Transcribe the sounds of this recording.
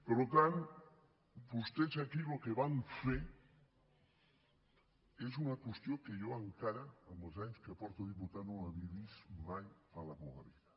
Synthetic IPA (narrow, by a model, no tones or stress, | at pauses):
peɾlot̪an | bust̪esakilokeβaɱfe | esunakwest̪jokeʝoaŋkaɾaamelˠzaɲskeapɔɾt̪oðiput̪anõŋaβiβismajfalakoɣa̰βiða